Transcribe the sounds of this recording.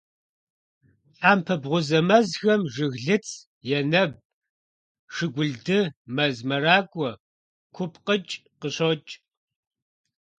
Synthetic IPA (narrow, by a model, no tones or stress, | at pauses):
ħaːmpʰɐbʁʷʊzɐmɐzxɐmʒɨɣɮɨt͡sʰ | jɛnɐb̚ | ʂɨɡʷʊɮdɨmɐzmɐɾaːkʷʼɔ | kʷʰʊpʰqət͡ʃʼqəɕot͡ʃʼ